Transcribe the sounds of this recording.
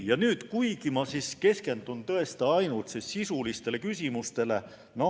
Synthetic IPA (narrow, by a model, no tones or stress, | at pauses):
jɑnyːt̪kujɡimɑsiske̞ske̞nd̪̥unt̪ɤe̞st̪ɑɑjnult̪sisːisulist̪e̞lekysʲimust̪e̞le̞ | no